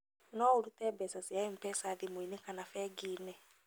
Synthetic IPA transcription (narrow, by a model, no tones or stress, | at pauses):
nɔːoɾutɛbɛsasiaem̩pɛsaðimwinekanafɛːɡiːnɛ